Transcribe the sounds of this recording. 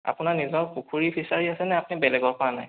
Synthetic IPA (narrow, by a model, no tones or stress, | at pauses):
a̰punaɹnizɔnpukʰuɹipʰisaɹiasɛnɛapunibɛlɛɡɔɹpɔana̰j